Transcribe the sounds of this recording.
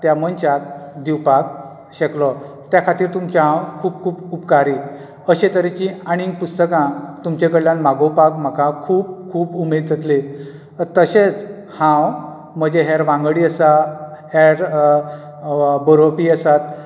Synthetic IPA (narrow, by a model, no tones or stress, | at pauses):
t̪jamənt͡ɕat̪d̪iwpak̚ | ɕeklɔ | t̪jakʰat̪iːɾt̪umt͡ɕaɦãwkʰuːp̚kʰuːbupkaɾi | əɕẽt̪əɾet͡ɕĩaɽ̃iŋɡ̚pust̪əkãt̪umt͡ɕekəɽljãnmaɡopakm̤əkakʰuːb̚kʰuːbumed̪̚d͡zət̪le | t̪əɕet͡s | hãw | m̤əd͡ʑeɦaɾʋãŋɡɽiːəsahaɾ | bəɾopiːəsat̪̚